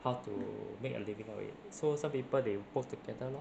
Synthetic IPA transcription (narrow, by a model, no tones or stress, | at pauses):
hawtṵmekə̰livĩŋa̰ḭt̚sosãmpipəldewɔk̚tuɡɛdəlɔ